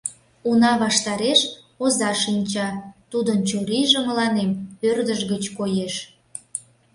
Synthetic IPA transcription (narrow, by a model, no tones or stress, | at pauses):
unɑβɑʃt̪ɑɾeʃ | ozɑʃinʲt͡ɕɑt̪ud̪ənt͡ɕoɾiʒəməlɑnempørd̪əʒɣət͡ɕkojeʃ